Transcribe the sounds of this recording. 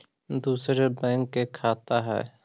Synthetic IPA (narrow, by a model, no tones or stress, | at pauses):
d̪uːsɾebɛ̃ːŋkːekʰaːt̪aɦɛ̰ː